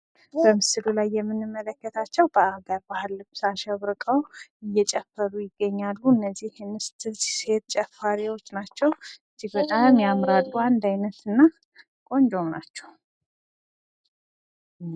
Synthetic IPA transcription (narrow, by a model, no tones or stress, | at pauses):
b̥əmɨsɨlulajːɛmːɨnːɨmːələkːət̪ʰat͡ʃːɛwbəaɡəɾbahɨlːɨbsaʃɛβɾkʼəwɨjːɛt͡ʃʼɛfːəɾujɪɡːəɲːalːuɨnːəzːihmɨst̪se̞t̪̚t͡ʃʼɛfːaɾiwo̞t͡ʃːnat͡ʃːɛwɨzːihbət̪ʼamjamɾad̪ːuand̪ajnət̪ɨnːa | kʼo̞nd͡ʒo̞mnat͡ʃːɛw